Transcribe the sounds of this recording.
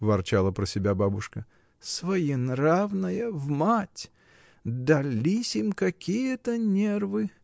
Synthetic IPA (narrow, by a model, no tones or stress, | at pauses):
vɐrt͡ɕalˠəpɾəsʲɪbʲababʊʂkə | svɐjinɾavnɨjəvmatʲ | d̪ɐlʲisʲimkɐkʲijət̪ənʲervɨ